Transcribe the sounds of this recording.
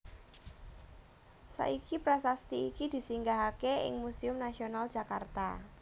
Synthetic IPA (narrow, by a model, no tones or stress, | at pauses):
sa̰ʔikipɾasast̪iikid̪̥i̤siŋɡaɦakeɪ̰ŋmusiʊmnasional̥d͡ʒakart̪a̰